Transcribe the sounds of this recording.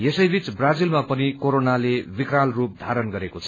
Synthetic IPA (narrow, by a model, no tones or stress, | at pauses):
jesʌjbʱit͡sbrad͡zilmapʌnikoɾonalebikralrup̚d̪ʱaɾʌnɡʌɾekot͡sʰʌ